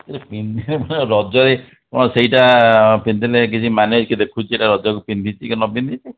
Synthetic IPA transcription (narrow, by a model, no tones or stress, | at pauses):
keɾepind̪ʱiɾemɔneɾɔd͡ʒɔɾe | kɔɽ̃ɔseiʈapind̪ilek̬it͡ʃʰimaned͡ʒkid̪ekʰut͡ʃʰieʈaɾɔd͡ʒɔkupind̪ʱit͡ʃʰikɔnɔpind̪ʱit͡ʃʰi